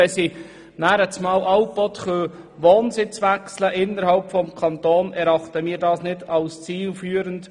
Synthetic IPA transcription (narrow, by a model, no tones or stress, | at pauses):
ɛsi | næːɾət͡smɑːlʔɑwpɔt̪χøː | ʋoːnsɪt͡sʋæksləʔɪnəɾhɑlpfɔmkʰɑnt̪oːnɛɾɑχt̪əmiːɾdɑːsnɪdɑlst͡siːlfyːəɾənt